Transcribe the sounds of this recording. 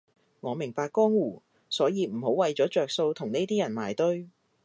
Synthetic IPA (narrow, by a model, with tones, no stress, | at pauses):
ŋɔː˨˧mɪ˨˩ŋpaː˧kːɔː˥ŋwuː˨˩ | sɔː˨˥jiː˨˧m̩˨˩ho˨˥wɐ˨˧jt͡ʃɔː˨˥t͡ʃœː˧k̚so˧wt̪ʰʊ˨˩ŋne˥jt̪iː˥jɐ˨˩nmaː˨˩jt̪ɵ˥ɥ